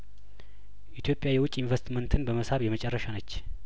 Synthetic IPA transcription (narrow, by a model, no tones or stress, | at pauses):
ʔit̪ʰjo̞pʼːjajɛwʊt͡ʃʼːɪnvəst̪mənt̪ʰɨnbəməshaβjɛmət͡ʃʼɛrːəʃanət͡ʃː